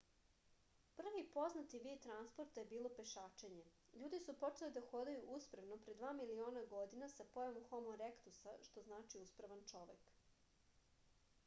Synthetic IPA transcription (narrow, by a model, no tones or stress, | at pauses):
pr̩ʋipo̞znat̪iʋit̪ɾanspoɾt̪ajebiːlˠo̞pe̞ʃaːt͡ʃe̞ɲe | ʎuːd̪isupo̞t͡ʃe̞lid̪axo̞d̪ajuʔuspɾaʋnopɾe̞d̪ʋaːmilioːnaɡo̞d̪inasapojamuxomoɾekt̪usaʃt̪o̞znaːt͡ʃiuspɾaʋant͡ʂo̞ʋek